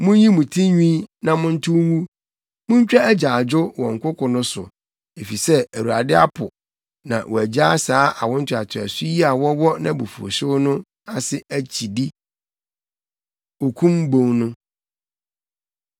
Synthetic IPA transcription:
mʊ̃˦jĩ˦mũ˨tʰĩ˦ɲᶣĩ˦nã˨mʊ̃˦n̩˦tʰʊ˦mũ˦ | mʊ̃˦ɲ˦t͡ɕᶣa˦æ˦d͡ʑaː˨d͡ʑʊ˦wɔ̃˨ŋ̩˨kʰʷʊ˦kʰʊ˨nʊ̃˦sʊ˨ | e˨fi˨sɛ˦æ˨wu˨a˨dɪ˦a̰˦pʰʊ˨ | nã̰˨wʔɔ˨æ˨d͡ʑa˦saː˦ʔa˨wɔ̃˦n̩˦tʰʊ˨a˨tʰɪ˨æ̰˨sʊ˦ji˦a˨wɔ˦wɔ˦nã˦bu˨fu˨o̰˨sʊ˦nʊ̃˦ | a˨sɪ˦æ˨t͡ɕʰi˨di˦ | o˨kʰũ˦mbõ˦˨ŋnʊ̃˦

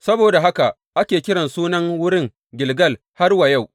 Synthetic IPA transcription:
sɐ˦boː˨da˨ɦa˦ka˨ʔ | ʔa˦kʲeː˨kʲɪ˦ɽɐ˨nsuː˦nɐ˦ŋwʊ˦ɽɪ˦ŋ | ɡʲɪ˨lɡɐ˦˨l | ha˦rwɐ˨ja˦˨w

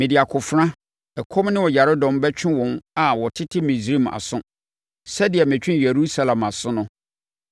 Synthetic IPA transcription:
mɪ̃˨dɪ˨a˨kʰʊ˨fɾã˦ | ɛ˨kʰɔ˦mnɪ̃˦wɔ˨ja˨ɾɪ˦dɔ̃˨mbɛ˦t͡ɕᶣʰɪ̃˦wɔ̃˨na˨wɔ˨tʰɪ˦tʰɪ˦mĩ˨sɾi˦ma̰˨sʊ̃˦ | sɛ˦dɪ˨ɛ˨mɪ̃˨t͡ɕᶣɪ̃˦je˨ɾu˦sa˨lã˨ma˨sʊ̃˦nʊ̃˦

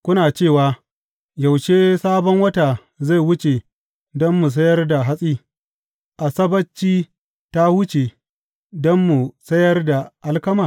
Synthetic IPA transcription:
kʷʊ˦naː˨t͡ʃeː˦˨waː˨ | ja˨wʃeː˦saː˦bɔ˦ŋwɐ˦taː˨ | za˦˨jwʊ˦t͡ʃe˨ | dɔ˦mːu˨s̬ɐ˦jɐ˦rda˨ɦa˦sʼiː˦ | ʔa˨sɐ˦bɐ˦t͡ʃːiː˦ | ta˦wʊ˦t͡ʃe˨ | dɔ˦mːu˨sɐ˦jɐ˦rda˨ʔa˦lkɐ˦ma˨

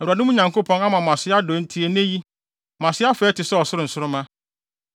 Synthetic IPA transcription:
ɛ˨ɾu˨a˨nɪ̃˦mʊ̃˦ɲã˨ŋko˦pʰɔ̃˦ŋa˦mã˨mã˨sɪ˦a˦do˨˦n̩˦tʰi˦e˨nẽ˦ji˦ | mã˨sɪ˦a˦fɛ˨˦tɪ˨sɛ˦ɔ˨sʊ˦ɾʊ˨n̩˨sʊ˦ɾʊ˦mã˦

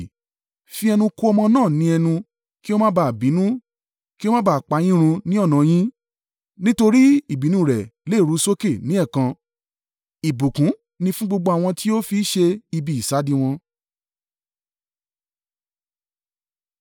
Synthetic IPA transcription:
fi˧ɛ˧nũ˧ko˦ɔ˧mɔ̃˧nãː˦˨nĩ˧˦ɛ˧nũ˧ | ki˦o˦mã˦ba˦˨bĩ˨˦nũ˦ | ki˦o˦mã˦ba˦˨k͡pa˨˦j̃ĩ˦ɾ̃ũ˧nĩ˦ɔ˦˨nã˨j̃ĩ˦ | nĩ˦to˧ɾi˦i˦˨bi˨˦nũ˧˦˨ɾɛ˨le˦˨ɾu˨˦so˦ke˦˨nĩ˦ɛ˦˨kã˧ | i˨bu˨kũ˨˦ | nĩ˧fũ˦ɡ͡bo˧ɡ͡bo˧a˨w̃ɔ̃˧tʰi˦o˦fi˧˦ʃe˧i˧bi˨i˨sa˨˦di˧w̃ɔ̃˧

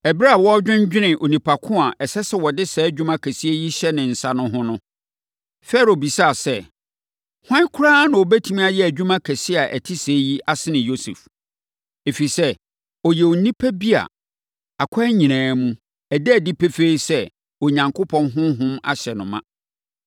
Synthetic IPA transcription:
ɛ˨ba˦a˨wɔ˦d͡ʑᶣɪ̃˦ɲ˦d͡ʑᶣɪ˦nɪ̃˨ʔo˨nĩ˨pʰa˨kʰʊ̃˦a˨ʔɛ˨sɛ˦sɛ˦wɔ˨dɪ˦sɛ˨˦d͡ʑᶣũ˦mã˦kʰæ˨si˦e˦ji˦ɕɛ˦nɪ̃˨n̩˨sa˦nʊ̃˦ɦʊ̃˦nʊ̃˦ | fɛː˦ɾo˨bi˨sa˦a˨sɛ˦ | hã˦kʰʊ˦ɾãː˦nʊ̃˨ɔ˨bæ˦tʰĩ˦mĩ˦a˨jɛ˦æ˨d͡ʑᶣũ˦mã˦kʰæ˨sɪ˦a˨ʔæ̰˨tʰɪ˦seː˨˦ji˦ʔa˦sɪ˦nɪ̃˨jo˦sḛ˨f | e˨fi˨sɛ˦ | ɔ˨jɛ˨o˨˦nĩ˦pʰæ˦bi˦a̰˨ | a˨kʷʰa˦ɲĩ˨nãː˨˦mũ˦ | æ˨dɛ˦æ˨dɪ˦pʰe˦fe˦i˦sɛ˦ | ɔ˨ɲã˨ŋkʰʊ˦pʰɔ̃˦nɦʊ̃˦ɦʊ̃˦ma̰˦ɕɛ˨nʊ̃˨mã̰˨

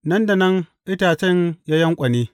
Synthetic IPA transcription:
nɐ˦nda˨nɐ˦ŋʔɪ˦taː˨t͡ʃɐ˦ɲja˦jɐ˦ŋkʷʼɐ˨niː˦

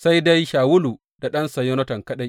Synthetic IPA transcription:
sa˦jda˦jʃaː˨wʊ˦lu˨ | d̥a˨ɗɐ˦nsɐ˨jɔ˦nɐ˦tɐ˨ŋkɐ˦ɗa˦j

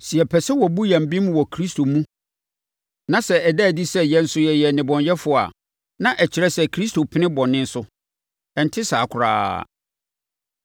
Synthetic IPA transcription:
si˨ɛ˨pʰɛ˨sɛ˦wɔ˨bu˦jã˨m̩˨bĩ˦mwɔ˨kʰɾi˦stʰo˨mũ˦ | nã˨sɛ˨ɛ˨dæ˦˨di˦sɛ˦jɛ̃˦n̩˦sʊ˦jɛ˨jɛ˨nɪ̃˨bɔ̃˨ɲjɛ˦fʊ˦˨a̰˨ | nã˦ʔæ˨t͡ɕʰi˨ɾɛ˦sɛ˨kʰɾi˦stʰo˨pʰɪ˦nɪ̃˦bɔ̃˨nɪ̃˦n̩˦sʊ˦ | ɛ˨n̩˨tʰɪ˦saː˨kʰʊ˨ɾa̰ː˦

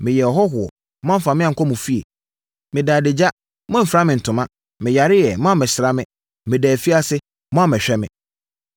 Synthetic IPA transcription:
mɪ̃˨jɛ˨ɔ˨ɦɔ˦ɦʊ˨ɔ̰˨ | m˦ã˦m̩˦fa˨mɪ̃˦ã˨ŋ̩˨kʰɔ˦mũ˨fi˦ḛ˨ | mɪ̃˨daː˨dɪ˨d͡ʑa˦ | mʊ̃˦m̩˨fɾa˦mɪ̃˨n̩˨tʰʊ̃˨mã˦ | mɪ̃˨ja˨ɾɪ˦jɛ˨mã˦a˦˨mɪ̃˨sɪ˨ɾa˦mɪ̃˦ | mɪ̃˨dæː˨fi˦a˦sɪ˦ | mɔ̃˦a˦mɪ̃˨ɕᶣɛ˦mɪ̃˨

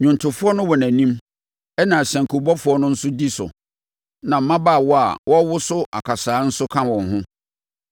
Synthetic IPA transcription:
ɲʊ̃˨ntʰʊ˨fʊ˦ɔ˦nʊ̃˦wɔ˨næ̃˨nĩ˦m | ɛ˦nã˨sæ̃˨ŋkʰu˨bɔ˦fʊ˨˦ɔ˦nʊ̃˦n̩˦sʊ˦di˦sʊ̰˨ | nã˨m̩˦mã˦baː˦˨wɔ˦a̰˨wɔ˦wʊ˦sʊ˦ʔa̰˨kʰa˨saː˨˦n̩˦sʊ˦kʰã˦wɔ̃˨nɦʊ̃˦

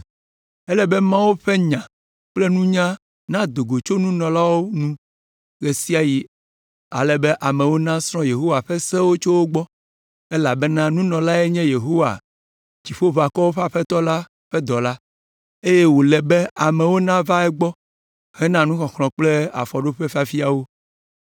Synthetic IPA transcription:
ɛ˦lɛ˨bɛ˦mã˦wo˦ɸɛ˦ɲã˨ | k͡ple˦nũ˦ɲã˦ | nã˦d̪o˨ɡo˨t͡ʃo˦nũ˦nɔ̃˨la˦wo˦nũ˦ | ɣe˨si˦a˨ji˦ | a̰˨lɛ˨be˦ʔa˨mɛ̃˨wo˦nã˦sɾ̃ɔ̃˦je˨ɦo˦wa˨ɸɛ˦sɛ˦wo˦t͡ʃo˦wo˦ɡ͡bɔ˦ | e˦la˨bɛ˦nã˦nũ˦nɔ̃˨la˦ɛ˦ɲɛ̃˦je˨ɦo˦wa̰˨ | d͡ʑi˨ɸo˦va˨kɔ˦wo˦ɸa˦ɸɛ˦t̪ɔ˦la˦ | ɸɛ˦d̪ɔ˨la˦ | e˦je˦wo˨lɛ˨be˦a˨mɛ̃˨wo˦nã˦va˦ɛ˦ɡ͡bɔ˦ | hɛ˦nã˦nũ˦xɔ̃˨xlɔ̃˨k͡ple˦a̰˨fɔ˨ɖo˦ɸe˦fi˦a˦fi˦a˨wo˦

